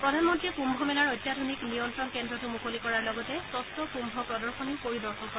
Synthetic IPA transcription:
pɹɔdʱanmɔntɹikumbʱɔmɛnaɹɔjtːjadʱoniknijɔntɹɔnkɛndɹɔtʊmukolikɔɹaɹlɔɡɔtɛsɔstɔkumbʱɔpɹɔdɔɹxɔnikoɹidɔɹxɔnkɔɹ

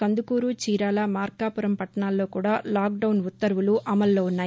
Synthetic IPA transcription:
kɐnd̪ukuːɾuːt͡ʃiːɾaːlɐmaːɾkaːpuɾɐmpɐʈːɐɳaːlːo̞ːkuːɽaːlaːk̚ɖɐwnʋut̪ːɐɾʋuluʔɐmɐlːo̞ːunːaːji

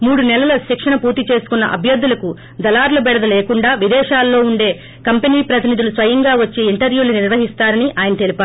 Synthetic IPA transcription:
muːɽunɛlɐlɐʃikʂɐɳɐpuːɾt̪it͡ʃe̞ːsu̥kunːɐ̰ʔɐ̰bʱjɐd̪ːulɐku | d̪ɐlaːɾlɐbɛɽɐd̪ɐleːkuɳɖaːʋid̪ɛːʃaːlːo̞ːuɳɖe̞ː | kɐmpeniːpɾɐt̪inid̪ulusʋɐjɐŋɡaːʋɐt͡ʃːeiɳʈɐɾʋjuːluniɾʋɐɦist̪aːɾɐniʔaːjɐnɐt̪elipaːɾ

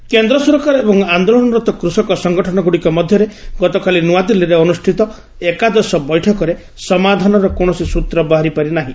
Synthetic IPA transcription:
kend̪ɾɔsɔɾkaɾebɔŋand̪olɔnɔɾɔt̪ɔkɾusɔkɔsɔŋɡɔʈʰɔnɔɡuɽikɔmɔd̪ʱjɔɾeɡɔt̪ɔkʰalinuad̪ilːiɾeɔnusʈʰit̪ɔ | ekad̪ɔsɔbɔjʈʰɔkɔɾe | sɔmad̪ʱanɔɾɔkoɳ̃ɔsisut̪ɾɔbaɦaɾipaɾinaɦĩ

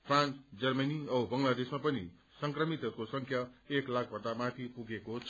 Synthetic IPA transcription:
pʰrãnt͡sd͡zʌrmʌniʌbʌŋlad̪esmapʌnḭ | sʌŋkrʌmit̪ɦʌɾukosʌŋkʰjaeklak̚ʰbʱʌnd̪amat̪ʰipuɡekot͡sʰ

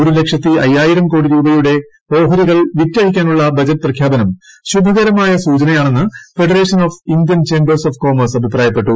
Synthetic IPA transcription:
o̞ɾule̞kʂjɐt̪ːɨɐjːaːjiɾɐmko̞ːɽiɾuːbɐjuɽe̞ | o̞ːɦɐɾiɣɐɭʋitːɐɦikʲːaːnuɭːɐbɐd͡ʑɐtːprɐkʰjaːbɐnɐmɕub̪ʱɐɣɐɾɐmaːjɐsuːt͡ɕɐnɐjaːɳe̞nːɨfe̞ɽɐre̞ːʂɐnoːfind̪jɐnt͡ɕeːmbɐrsoːfko̞ːmɐrsɐbʱipraːjɐpːe̞ʈːu

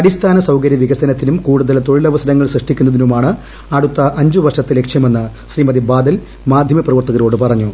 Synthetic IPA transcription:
ɐɽist̪ʰaːnɐsɐwkɐɾjɐʋiɡɐsɐnɐt̪ːinumkuːɽuðɐlt̪o̞ɻilɐʋɐsɐnɐŋːɐɭsrɨʂʈikʲːunːɐðinumaːɳɨ | ɐɽut̪ːɐʔɐɲd͡ʑuʋɐrʂɐt̪ːile̞kʂjɐme̞nːɨɕriːmɐðibaːd̪ɐl | maːd̪ʱjɐmɐprɐʋɐrt̪ɐɣɐɾo̞ːɽɨpɐrɐɲːu

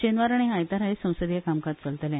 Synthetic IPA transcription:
t͡ɕenʋaɾaɽ̃iɦajt̪aɾaɦesə̃w̃səd̪jakamkat̪̚t͡səlt̪əlɛ̃

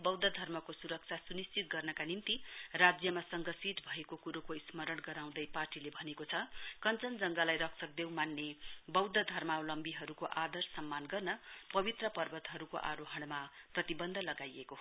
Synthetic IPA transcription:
bʌwd̪ʌd̪ʱʌrmʌkosuɾʌk̚t͡sʰasunist͡sit̪̚ɡʌrnʌkanint̪irad͡zjʌmasʌŋɡʌsit̪bʱʌekokuɾokoismʌɾʌɽɡʌɾaw̃d̪ʌjparʈilebʱʌnekot͡sʰʌkʌnt͡sʌnd͡zʌŋɡalajɾʌksʰʌk̚d̪ew̃manːebʌwd̪ʌd̪ʱʌrmawlʌmbiɦʌɾukoʔad̪ʌrsʌmːanɡʌrnʌpʌbit̪rʌpʌrbʌt̪ɦʌɾuko̰ʔaɾoɦʌɽ̃maprʌt̪ibʌnd̪ʱʌlʌɡajeko

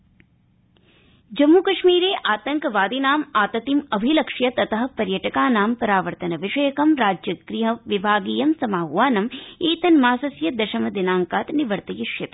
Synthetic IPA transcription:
d͡ʒɐmːukɐʃmiːɾeːʔaːt̪ɐŋkʋaːd̪inaːmaːt̪ɐt̪imɐbʱilɐkʂjɐt̪ɐt̪ɐɦɐ̆pɐɾjɐʈɐkaːnaːmpɐɾaːʋɐɾt̪ɐnɐʋiʂɐjɐkɐmɾaːd͡ʒjɐɡɾiɦɐʋibʱaːɡiːjɐmsɐmaːɦuʋaːnɐmeːt̪ɐnmaːsɐsjɐd̪ɐʃɐmɐd̪inaːŋkaːt̪niʋɐɾt̪ɐjiʃjɐt̪i

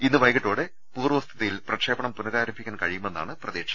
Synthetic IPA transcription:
inːɨʋɐjɣiʈːoːɽe̞ | puːrʋɐst̪ʰiðɐjilprɐkʂe̞ːbɐɳɐmpunɐɣaːɾɐmbʰʱikʲːaːnkɐɻijume̞nːa̰ːɳɨprɐðeːkʂɐ

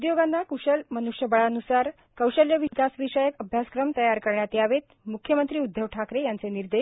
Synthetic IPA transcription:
ud̪joɡanːakuʂəlmənuʂjəbəɭanusaɾ | kəwɕəljəʋikasʋiɕəjəkəbʱjaskɾəmt̪əjaɾkəɾɳjat̪jaʋet̪ | mukʰjəmənt̪ɾiːud̪ʱjəʋʈʰakɾejant͡seniɾd̪e

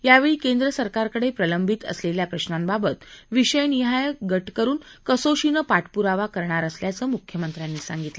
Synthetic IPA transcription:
jaʋeɭiːkend̪ɾəsəɾkaɾkəɽepɾələmbʱit̪ə̰sleljapɾəɕnambabət̪ʋiɕəjniɦajəkɡəʈkəɾuːnkəsoɕinəpaʈʰpuɾaʋakəɾɳaɾəsljat͡səːmukʰjəmənt̪ɾjanːiːsa̰ŋɡit̪lə

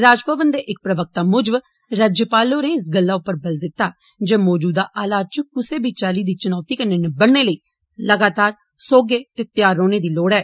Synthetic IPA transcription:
ɾaːd͡ʒpəʋənd̪eːʔɪk̚pɾəʋək̚t̪aːmʊd͡ʒəʋ | ɾaːd͡ʒjəpaːloːnẽːɪsɡəlːaːʊpːəɾbəld̪ɪt̪ːaː | d͡ʒeːmɔːd͡ʒuːd̪aːʔaːlaːd̪̚t͡ʃukʊseːbiːt͡ʃaːliːd̪iːt͡ʃʊnɔːt̪iːkəneːnebəɽneːləiː | ləɡaːt̪aːɾ | soːɡeːt̪eːt̪ɪjaːɾːoːneːd̪iːloːɽɛː

